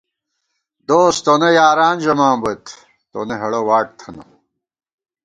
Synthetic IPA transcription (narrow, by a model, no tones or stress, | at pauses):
d̪oːst̪onejaːɾaːnd͡ʑɐmaːmbɐt̪ʰ | t̪o̰neɦɐɽowaːʈ̚t̪ʰɐnɐ̰